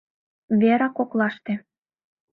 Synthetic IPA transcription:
βeɾɑkoklɑʃt̪ĕ

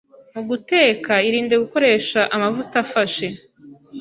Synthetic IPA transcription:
muɡute̞ːkaiɾiːndeɡuko̞ɾe̞ːʃaʔamavutafaʃe

